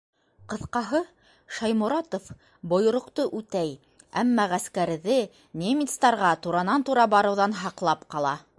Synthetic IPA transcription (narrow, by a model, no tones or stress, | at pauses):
qɤ̆θqɑɦɤ | ʃɑjmŭɾɑt̪of | bŏjŏɾŏqt̪oʔʉt̪æj | æmːɑʁæskæɾðɘ | nʲemʲit̪st̪ɑɾʁɑt̪uɾɑnɑnt̪uɾɑbɑɾɤ̆wðɑnɦɑqlˠɑpqɑlˠɑ